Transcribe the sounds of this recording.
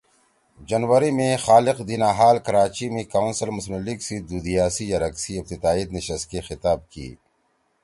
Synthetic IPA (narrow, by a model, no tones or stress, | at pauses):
d͡ʒɐnwəɾimẽxaːlɪqd̪iːnaːɦaːlkɐɾaːt͡ʃimẽkaːwʊnsəlmʊsməlːiɡsid̪uːd̪ijaːsijɐɾɐksiɪb̚t̪ɪd̪aːid̪neʃɐst̪̚kexɪt̪aːb̚kḭː